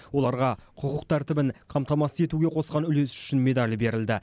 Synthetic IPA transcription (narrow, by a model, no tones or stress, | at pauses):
wolˠɑɾʁɑqʰʊqʊqt̪ʰæɾt̪ɪbɪŋqʰɑmt̪ɑmɑsəze̞t̪uɡʲe̞qʰo̞sqɑnʏle̞sʏ̥ʃɪnme̞d̪ɑlʲbe̞ɾɪld̪ɪ